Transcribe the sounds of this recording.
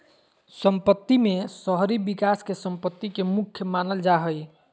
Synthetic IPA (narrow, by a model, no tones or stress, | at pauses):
səmpət̪ːimesəɦɾibikaskesəmpət̪ːikemukʰːjəmanəld͡ʒaɦəj